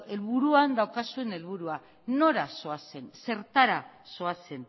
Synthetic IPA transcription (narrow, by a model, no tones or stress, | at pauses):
e̞lβuɾuand̪awkasue̞ne̞lβ̞uɾua | no̞ɾaso̞ase̞nse̞ɾt̪aɾaso̞ase̞n